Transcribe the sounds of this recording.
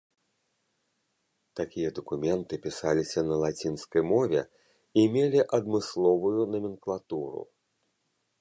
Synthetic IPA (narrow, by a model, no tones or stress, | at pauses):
t̪akʲijɐd̪ɐkumʲɛnt̪ɨpʲisalʲisʲɐnɐlˠat͡sʲinskɐjmɔvʲɛ | imʲelʲiʔɐd̪mɨslˠɔvujunɐmʲinklˠat̪uɾṵ